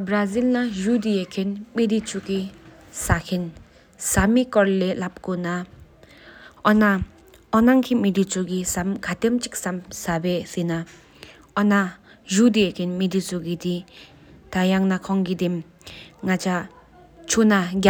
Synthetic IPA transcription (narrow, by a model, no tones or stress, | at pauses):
bɾazilnajudiekʰenmidit͡ʃukisakʰin | samikɔɾlelap̚kuna | ɔna | ɔnaŋkʰimidit͡ʃʰuɡisamkʰatemt͡ʃik̚samsabesina | ɔna | zudiekʰenmidisuɡidi | tajaŋnakʰɔŋɡidim | ŋat͡ʃa | t͡ʃʰunaɡʲa